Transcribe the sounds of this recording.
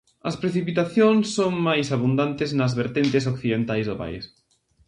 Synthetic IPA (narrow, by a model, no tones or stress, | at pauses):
ɐspɾeθipit̪aθjõŋsːoŋmajsaβund̪ant̪ɪznɐzβeɾt̪ent̪ɪs̬okθiðẽnt̪ajzðʊpa̰ḭs